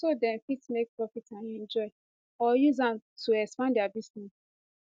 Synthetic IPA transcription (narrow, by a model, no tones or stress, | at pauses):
sodɛ̃nfitmek̚pɹɔfitãnɛ̃nd͡ʒɔɪ | ɔjuzãmtuɛkspãndjabisnɛs